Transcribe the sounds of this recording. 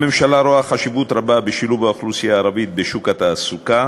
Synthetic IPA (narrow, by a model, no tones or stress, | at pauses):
me̞mʃalaɾoaχaʃivut̪ɾababeʃiluvaoχlusijaːɾavit̪̚beʃukat̪aːsuka